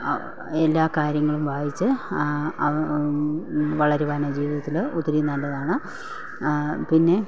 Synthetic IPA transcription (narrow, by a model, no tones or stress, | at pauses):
elːaːkaːɾjɐŋːɐɭumʋaːjit͡ɕːɨ | ɐ | ʋɐɭɐɾebaːnɐd͡ʑiːʋiðɐt̪ːilut̪ːɐɾinɐɳɖɐðaːɳɨ | pinːe̞